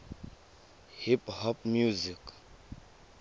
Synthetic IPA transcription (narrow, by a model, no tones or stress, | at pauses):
hiphɔp̚mjuzik